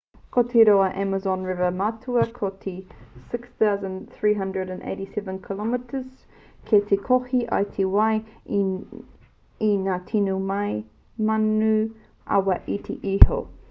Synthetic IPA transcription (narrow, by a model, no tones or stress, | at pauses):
kʰɔtʰiɾoəʔæməzɔ̃nɹɪvəmatʰuəkʰɔtʰisɪksθaʊzə̃nθɹiːɦʌ̃ndɹəɾə̃nʔḛɪɾisɛvə̃nkʰəlɔmətʰəz̥ | kʰetʰikʰɔhiʔa̰ɪtʰiwaɪ | inatʰinumaɪ | manːʉ | ʔa̰waʔitʰḭʔiho̰